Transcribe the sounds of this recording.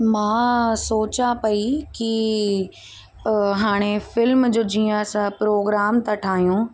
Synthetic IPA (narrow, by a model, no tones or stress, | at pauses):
mãːsoːt͡ɕapɐiki | ɦaːɽ̃efɪlmd͡ʑoːd͡ʑiːə̃ɐsãpɾoːɡɾaːmt̪aʈʰaːɦijũ